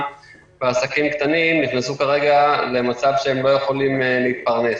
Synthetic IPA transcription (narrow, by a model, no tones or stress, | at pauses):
veasakimkt̪animniχnasukaʁe̞ɡale̞mat͡savʃeemlo̞je̞χo̞limleit̪̚paʁne̞s